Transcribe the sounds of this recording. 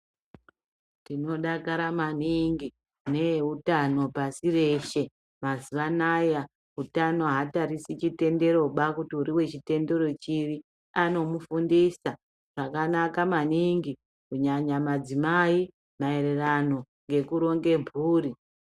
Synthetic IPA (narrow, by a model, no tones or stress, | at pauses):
tino̞ɗakaɾamaniŋɡi | ne̞utano̞pasire̞ʃe̞ | mazuʋanaja | utano̞ɦataɾisit͡ʃite̞nde̞ɾo̞ɓakutiuɾiwe̞t͡ʃite̞nde̞ɾo̞t͡ʃiʋi | ano̞mufundisa | ʐ̥akanakamaniŋɡi | kuɲaɲamad͡zimai | mae̞ɾe̞rano̞ | ŋɡe̞kuɾo̞ŋɡe̞mbʱuːɾi